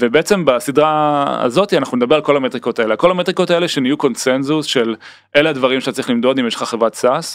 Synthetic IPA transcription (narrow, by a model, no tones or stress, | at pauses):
vebeet͡se̞mbasid̪ʁaa̰zo̞t̪ianaχnuned̪ɐbeʁalko̞lamet̪ʁiko̞taeleako̞lamet̪ʁiko̞taeleʃenijuko̞nsenzusʃel | ʔelead̪vaʁimʃet̪at͡saʁiχlimd̪o̞d̪imjeʃl̥χaχevʁatsas